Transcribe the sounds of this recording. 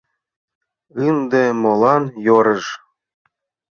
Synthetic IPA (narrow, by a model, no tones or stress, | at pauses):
ɯnd̪emolɑnjoɾə̆ʒ